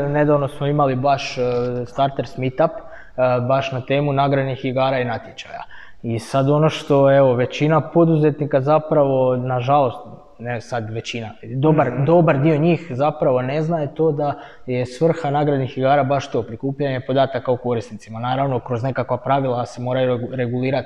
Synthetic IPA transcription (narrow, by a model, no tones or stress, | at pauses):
ne̞d̪aʋno̞smo̞imalibaʃst̪aɾt̪e̞ɾsmit̪ap | baʃnat̪e̞ːmunaɡɾad̪nixiɡaːɾainat̪jet͡ɕa̰ja̰ | isad̪o̞no̞ʃt̪o̞e̞ʋo̞ʋe̞t͡ɕinapo̞d̪uze̞t̪nikazapɾaʋo̞naʒalo̞st̪ | nesad̪ʋe̞t͡ɕinad̪o̞baɾd̪o̞baɾd̪io̞ɲiːxzapɾaʋo̞ne̞znaje̞t̪o̞ːd̪a | je̞sʋr̩xanaɡɾad̪nixiɡaːɾabaʃt̪o̞pɾikuːpʎaɲe̞pod̪aːt̪akauko̞ɾist̪nit̪simanaːɾaʋno̞kɾo̞zne̞kakʋapɾaʋilˠase̞mo̞ːɾajuɾe̞ɡulˠiːɾat̪